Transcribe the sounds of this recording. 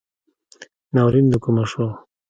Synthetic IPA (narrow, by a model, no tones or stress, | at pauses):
nawɾind̪ukumaʂo